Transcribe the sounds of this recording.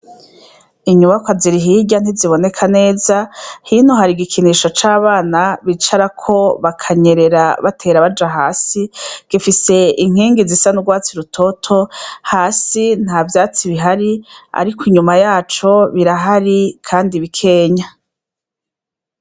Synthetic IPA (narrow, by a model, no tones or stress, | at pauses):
iɲumakwaziɾiɦiɟan̥iziβo̞ne̞kʰane̞ːzahiːn̥uɦaɾiɡikʰiniʃot͡ʃaːβaːnaβit͡ʃaɾakʰo̞βakʰaɲe̞ɾe̞ɾaβatʰe̞ːɾaβad͡ʒaɦaːsiɡ̥ifise̞iŋ̥hiːŋɡizisanuɡwaːt͡siɾutʰo̞tʰo̞haːsin̥haːvjaːt͡siβiɦaɾia̰ɾikiɲumajaːt͡ʃo̞βiɾaɦaɾikʰaːndiβikʰe̞ːɲa